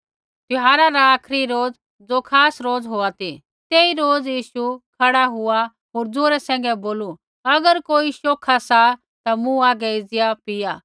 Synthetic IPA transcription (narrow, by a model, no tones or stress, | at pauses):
t̪ʊɦaːɾaɾaaːkʰɾiɾoːd͡z | d͡zokʰaːsɾoːd͡zɦoːat̪i | t̪eːiɾoːd͡zjiːʃukʰɐɽaɦʊa | ɦoːɾd͡zoːɾɛsɛ̃ːŋ̆ɡɛboːlu | ɐɡəɾkoːiʃoːkʰasa | t̪amũaːɡɛɪd͡zjapɪjaː